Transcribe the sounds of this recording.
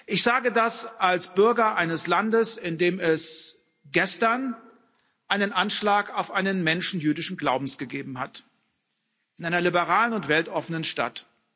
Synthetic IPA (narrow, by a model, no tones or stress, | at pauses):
ʔɪçz̥aːɡədasʔalsb̥ʏɐɡɐʔaɪnəslandəsɪndeːmɛs | ɡ̥ɛstɐn | ʔaɪnənʔanʃlaːkaʊfʔaɪnənmɛnʃn̩jyːdɪʃn̩ɡlaʊbm̩sɡ̥əɡeːbm̩ɦat | ʔɪnʔaɪnɐlibəʁaːlənʊntv̥ɛltʔɔfənənʃta̰t